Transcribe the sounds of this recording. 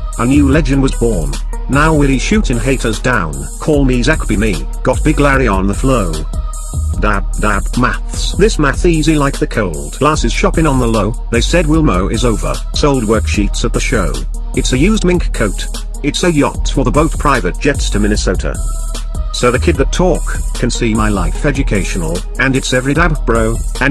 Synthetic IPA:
ənjʉlɛd͡ʒɨ̃nwʌzwɔɹnː | aʊwɪlˠiʃʉɾɨ̃nɦeɪɾəzdãʊ̃n | kʰɔlˠmizækəbimi | ɡ̥ɑt̚b̥ɪɡlæɹiə̃nðəfloʊ | dæb̚dæbmæ̰θsðɪsmæθizilaɪk̚ðɨkʰoʊlˠdɡ̥læsɨz̥ʃɑpɪ̃ŋə̃nðəloʊðeɪsɛd̚wɪlˠmoʊʔɨzoʊvə̰˞ | soʊlˠd̚wɜ˞kʃitsɨt̪̚ðɨʃoʊ | ɨtsɨjʉzdmɪ̃ŋkʰoʊɾ | ɨtsɨjɑ̰tfə˞ðəboʊt̚pʰɹ̥aɪvɨt̚d̥ʒ̥ɛtstʰɨmɪ̃nɨsoʊɾɨ̰ | soʊðɨkʰɪd̪̚ðɨtʰɔkʰɨ̃nsimaɪlaɪfɛd͡ʒɨkʰeɪʃn̩l̩ˠ | ɨ̃nɨtsɛvɹidæbb̥ɹoʊɨ̃n

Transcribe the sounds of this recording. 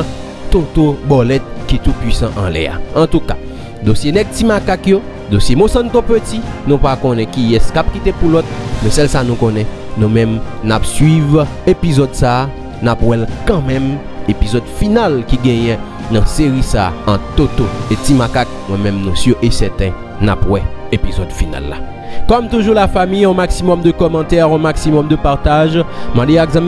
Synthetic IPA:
t̪ot̪obɔlɛt̪̚kit̪upɥisãʔɑ̰̃lɛ̰a̰ɑ̃t̪ukḁ̰ | d̪osjenɛk̚timakakjo | d̪osjemõsãnt̪õpøtinũpakõnɛ̃kiɛskap̚kit̪epulɔt̪̚mɛsɛlsanũkõnɛ̃ | nũmɛ̃mnapsɥiv | epizɔd̪saː | napwɛlkãmɛ̃m | epizɔd̪finalkiɡɛ̃jɛ̃ | nɐ̃seʁisa̰ːɑ̃t̪ot̪oetimakak̚mwɛ̃mɛ̃mnũsjøʔesɛt̪ɛ̃ | na̰pwɛepizɔd̪fina̰lːa̰ | kɔmt̪uʒulafamijɔ̃maksimɔmd̪əkɔmɑ̃t̪ɛʁɔ̃maksimɔmd̪əpaʁt̪aʒmɑ̃d̪eaɡzãm

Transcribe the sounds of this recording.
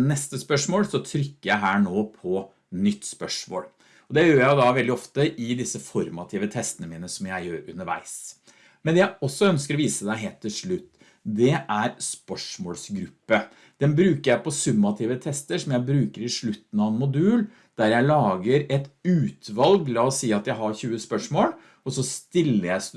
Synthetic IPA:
nɛst̪əspœʂmoːlsɔt̪ʰɾʏkːəjæɪɦæːɳoːpʰɔ | nʏt̪ːspœʂmo̰ːl | ɔd̪ɛjøːjæɪjʊd̪ɑʋɛld̪ɪɔft̪əʔɪd̪ɪsːəfɔɾmɑt̪ʰiːʋət̪ʰɛst̪ənəmiːnəsɔmjæɪjøːɾʉ̰nəɾʋæ̰ɪs | mɛnd̪ɛjæɪɔsːɔœnskəɾɔʋiːsəd̪æɪɦeːlt̪ʰːɪlʂɭʉt̪ː | d̪ɛʔæɾspœʂmoːlsɡɾʉpːə | d̪̥ɛnbɾʉːkəɾjæɪpɔsʉmːɑt̪ʰɪːʋət̪ʰɛst̪əʂɔmjæɪbɾʉːkəɾɪʂɭʉt̪ːn̩ɑʋənmʊd̪ʉːl | d̪̥æɾjæɪlɑːɡəɾɛt̪ʉːt̪ʰʋɑlɡlɑɔsiːɑt̪jæɪɦɑɾçʉːəspœʂmoːl | ɔsɔst̪ɪlːəjæɪs

